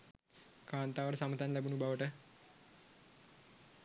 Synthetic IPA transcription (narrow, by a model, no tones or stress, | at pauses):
kaːnt̪aːʋəɾəsamət̪anlæbunubaʋəʈə